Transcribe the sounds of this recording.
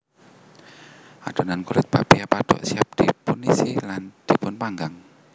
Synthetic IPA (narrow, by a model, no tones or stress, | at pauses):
ʔaɖ̪̥o̤nankuɾɪt̪̚pa̰piapaɖ̪̥ɔ̰ʔsiap̚d̪̥ipunisiland̪̥i̤pʊnpaŋɡaŋ